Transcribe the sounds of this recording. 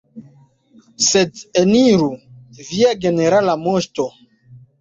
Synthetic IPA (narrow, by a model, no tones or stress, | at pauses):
sedeniɾuviaɡe̞neɾalamoʃto